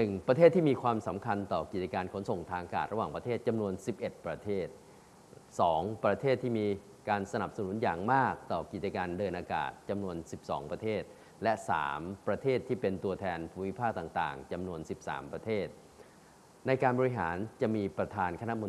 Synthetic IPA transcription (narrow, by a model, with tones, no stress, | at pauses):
nɯ˨˩ŋpɾa˧t̪ʰeː˥˩t̪ʰːiː˥˩miː˧kʰwaː˧msa˩˦mkʰa˧nt̪ɔː˨˩ki˨˩t͡ɕa˧kaː˧nkʰo˩˦nso˨˩ŋt̪ʰaː˧ŋʔa˧ka̰ː˨˩t̪̚ɾa˧waː˨˩ŋpɾa˧t̪ʰeː˥˩t̪̚t͡ɕa˧mnu˧ənsi˨˩p̚ʔe˨˩t̪̚pɾa˧t̪ʰeː˥˩t̪̚ | sɔː˩˦ŋpɾa˧t̪ʰeː˥˩t̪ʰːiː˥˩miː˧ | kaː˧nsa˧na˨˩p̚sa˧nu˨˩˦njaː˨˩ŋmaː˥˩k̚t̪ɔː˨˩ki˨˩t͡ɕa˧kaː˧ndɤː˧nʔaː˧ka̰ː˨˩t̪̚t͡ɕa˧mnu˧ənsi˨˩p̚sɔ̰ː˩˦ŋpɾa˧t̪ʰeː˥˩t̪̚ | lɛ˦˥ʔsa̰ː˩˦mpɾa˧t̪ʰeː˥˩t̪ʰːiː˥˩pe˧nt̪u˧ət̪ʰɛː˧npʰuː˧mi˦˥pʰaː˥˩k̚t̪aː˨˩ŋt̪a̰ː˨˩ŋt͡ɕa˧mnu˧ənsi˨˩p̚sa̰ː˩˦mpɾa˧t̪ʰeː˥˩t̪̚ | na˧jkaː˧nbɔː˧ɾi˧˥ɦa̰ː˩˦nt͡ɕa˨˩ʔmiː˧pɾa˧t̪ʰaː˧nkʰna˦˥ʔmo˧